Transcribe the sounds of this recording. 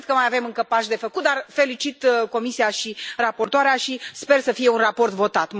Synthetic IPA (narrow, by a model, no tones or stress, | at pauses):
d̪̚kəmajave̞mɨŋkəpaʃd̪e̞fəkut̪̚d̪arfe̞lit͡ʃit̪ko̞misiaʃirapo̞rt̪oaɾeaʃispe̞rsəfije̞unrapo̞rt̪vo̞t̪at̪